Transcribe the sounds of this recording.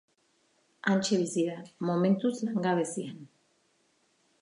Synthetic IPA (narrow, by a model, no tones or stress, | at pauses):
anʲt͡ʃeβisiɾamoment̪uslaŋɡaβesian